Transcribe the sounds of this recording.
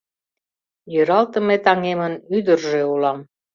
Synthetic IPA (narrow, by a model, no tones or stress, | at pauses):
jøɾɑlt̪ə̆met̪ɑŋemənyd̪ə̆rʒeulɑm